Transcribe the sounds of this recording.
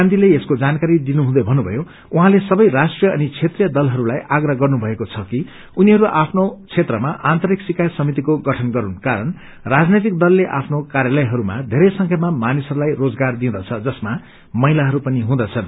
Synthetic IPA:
and̪ʱileeskod͡zankaɾid̪inuɦũd̪ʌbʱʌnːubʱʌ̰jo | uɦãlesʌbʌjrasʈrijʌʌ̰nit͡sʰet̪rijʌd̪ʌlɦʌɾulajʔaɡrʌɡʌrnubʱʌekot͡sʰʌki | uniɦʌɾuʔapʰnot͡sʰet̪rʌmaʔant̪ʌɾiksikajsʌmit̪̬ikoɡʌʈʰʌnɡʌɾunkaɾʌn | rad͡znet̪̬ik̚d̪ʌlːeʔa̰pʰnokaɾjalʌjɦʌɾuma̰d̪ʱeɾʌjsʌŋkʰjʌmamanisʌɾulajrod͡zɡard̪ĩd̪ʌt͡sʰʌd͡zʌsma | mʌjlaɦʌɾupʌniɦũd̪ʌt͡sʰʌn

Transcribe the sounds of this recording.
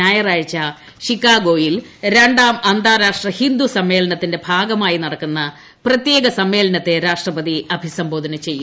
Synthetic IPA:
aːjɐraːjt͡ɕːɐ | ʂikːaːɡoːjilɾe̞ɳɖaːmɐnd̪ʱaːɾaːʂʈrɐhind̪usɐmːe̞ːlɐnɐt̪ːinde̞bʱaːɡɐmaːjinɐɽɐkːunːɐ | prɐt̪je̞ːɡɐsɐmːe̞ːlɐnɐt̪ːe̞ɾaːʂʈrɐpɐd̪iʔɐbʱisɐmbʱo̞ːd̪ʱɐnɐt͡ɕe̞jːu

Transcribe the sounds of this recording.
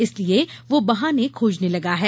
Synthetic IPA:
ɪslieʋobɐɦãːnekʰoːd͡ʒnelɐɡaɦɛː

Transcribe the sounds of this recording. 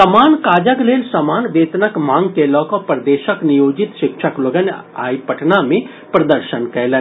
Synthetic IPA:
sɐmaːnkaːd͡ʒəkleːlsɐmaːnʋeːt̪nəkmãːŋɡkeːlɔkopɾɐd̪eːʃəknijoːd͡ʒɪt̪ʃɪkʃəkloɡəna̰ːipəʈʰnamẽ | pɾɐd̪əɾʃənkɛːle

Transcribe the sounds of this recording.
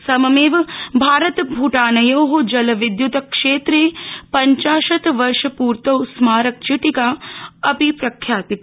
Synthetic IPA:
sɐmɐmeːʋbʱaːɾɐt̪bʱuːʈaːnɐjoːɦud͡ʒɐlɐʋid̪jut̪ɐkʂeːt̪ɾeːpɐɲt͡ʃaːʃɐt̪ʋɐɾʃɐpuːɾt̪ɐwsmaːɾɐk̚t͡ʃiʈikaːɐpipɾɐkʰjaːt̪i

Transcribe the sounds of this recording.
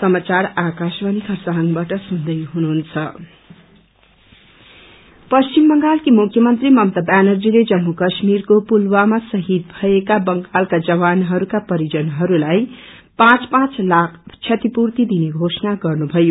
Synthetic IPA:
sʌmat͡sarakasbʌnikʰʌrsaɦnbaʈʌsund̪ʌjɦunuɦunt͡sʰʌ | pʌst͡ʃimbʌŋɡalkimukʰjʌmʌnt̪rimʌmt̪ʌbanʌrd͡ziled͡zʌmːukʌsmirkopulwamasʌɦid̪̚bʱʌekabʌŋɡalkad͡zʌβanɦʌɾukapʌɾid͡zʌnɦʌɾulaj | pãt͡spãt͡slakʰt͡sʰjʌt̪ipurt̪id̪ineɡʱosʌnaɡʌrnubʱʌjo

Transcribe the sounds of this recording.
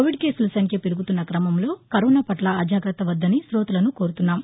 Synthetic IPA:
oʋiɖke̞ːsulsɐŋkepiɾuɡut̪unːɐkɾɐmɐmlo̞ːkɐɾoːnaːpɐʈlɐːd͡ʒʱaːɡɾɐt̪ɐʋɐd̪ːɐnisɾoːt̪ulɐnuko̞ːɾut̪unːaːm

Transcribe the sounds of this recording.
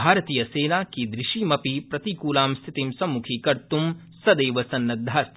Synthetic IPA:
bʱaːɾɐt̪iːjɐseːnaːkid̪ɾɪʃiːmɐpipɾɐt̪ikuːlaːmst̪ʰit̪imsɐmːukʰikɐɾt̪um | sɐd̪eːʋɐsɐnːɐd̪ʱːaːs

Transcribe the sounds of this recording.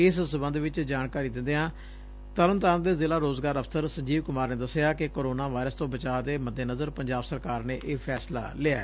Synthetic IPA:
ɪssəbənd̪ʋɪt͡ʃd͡ʒaːnkaːɾiːd̪ɪ̃nd̪eːɦãː | t̪əɾənt̪aːnd̪eːzɪːlaːɾoːzɡaːɾəfʰt̪əɾsəɲd͡ʒiːʋkʊmaːɾneːd̪əsɪjaːkɪkoːɾoːnaːʋaːɪɾəst̪õːbət͡ʃaːd̪eːməd̪ːeːnəzəɾpəɲd͡ʒaːbsəɾkaːɾneːʔeːpʰɛːsla̰ːlɪːa̰ː

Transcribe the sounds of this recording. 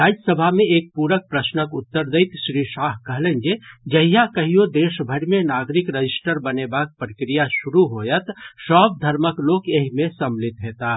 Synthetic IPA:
ɾaːd͡ʒəsəbʱameeːk̚puɾək̚pɾəsnəkʊt̪ːəɾd̪əjt̪ʃɾiʃaɦkəɦlənd͡ʒed͡ʒəɦijakəɦijod̪eːʃbʱəɽmenaɡɾikɾəd͡ʒisʈəɾbənebak̚pɾəkɾijasuɾuɦojət̪sɔb̚d̪ʱəɾməklokeɦimẽsəmlit̪ɦet̪a

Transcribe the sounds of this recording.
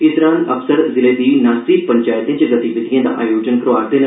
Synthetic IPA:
ɪsɾãːnəpsəɾzɪleːd̪iːnaːsiːpəɲt͡ʃaːjət̪ẽːt͡ʃezət̪iʋɪd̪ijãːd̪a̰ːʔa̰ːjoːd͡ʒənkɾoaːɾd̪eːn

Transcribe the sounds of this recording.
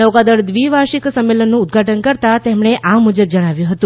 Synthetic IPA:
əʋkad̪əɾd̪ʋiʋaʃiksəmːelənːũːd̪̚ɡʱaʈənkəɾt̪at̪emɳeʔamud͡ʒəb̚d͡ʒəɽ̃aʋjũɦət̪ũ

